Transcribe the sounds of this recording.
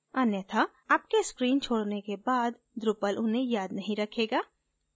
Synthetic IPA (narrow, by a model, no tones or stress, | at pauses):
ɐnjət̪ʰa | aːp̚keskɾiːnt͡ʃʰoːɽnekebaːd̪ | d̪ɾʊpəlʔʊnɦẽjaːd̪nɐɦĩɾɐkʰeːɡaː